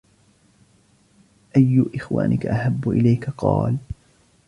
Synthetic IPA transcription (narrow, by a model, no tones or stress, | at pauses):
ʔajːʊʔɪxwa̰ːnʔɪkaʔahabːʊʔɪ̰lajkaqɑːl